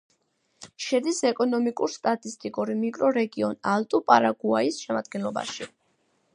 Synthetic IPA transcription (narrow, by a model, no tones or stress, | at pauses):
ʃɛd̪isɛkʼɔnɔmikʼuɾst̪ʼat̪ʼist̪ʼikʼuɾimikʼɾɔɾɛɡiɔnalˠt̪ʼupʼaɾaɡuaisʃɛmad̪ɡɛnlɔba̰ʃi